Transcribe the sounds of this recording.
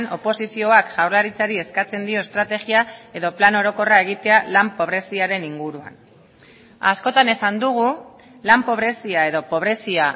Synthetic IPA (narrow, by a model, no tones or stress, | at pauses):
no̞po̞sisio̞akʝ̥awrlaɾit͡saɾie̞skat͡se̞nd̪io̞est̪ɾat̪e̞ɣiae̞ðo̞plano̞ɾo̞ko̞rae̞ɣ̞it̪e̞alampo̞β̞ɾe̞siaɾe̞niŋɡuɾua̰n | asko̞t̪ane̞sand̪uɣ̞u | lampo̞β̞ɾe̞siae̞ðo̞po̞β̞ɾe̞sia